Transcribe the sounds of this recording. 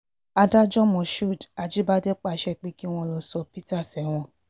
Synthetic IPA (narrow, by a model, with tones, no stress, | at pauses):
a˧da˦d͡ʒɔ˦mɔ̃˨ʃu˦˨da˨d͡ʒi˨˦ba˦dɛ˦k͡pa˦˨ʃɛ˦˨k͡pi˦ki˦w̃ɔ̃˧˦˨ɾɔ˧sɔ˧pi˦ta˦˨sɛ˨˦w̃ɔ̃˧